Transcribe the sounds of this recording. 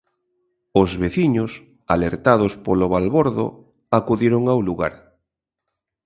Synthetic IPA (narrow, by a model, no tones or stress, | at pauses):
ozβeθiɲos | a̰leɾt̪aðospoloβalβoɾðo̰ | akuðiɾoŋawluɣaɾ